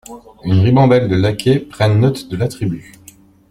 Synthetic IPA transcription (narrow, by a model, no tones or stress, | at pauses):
ynʁibɑ̃d̪ɛld̪əlakʲʰepχɛ̃nnɔt̪d̪əlat̪χiby